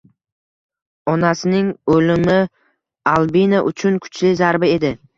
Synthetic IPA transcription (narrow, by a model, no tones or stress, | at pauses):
ɒnasɪnɪŋolɪmɪ | alˠbinaʔʊ̰t͡ʃʰʊnkʰʊ̥t͡ʃlɪzaɾbɪe̞d̪ɪ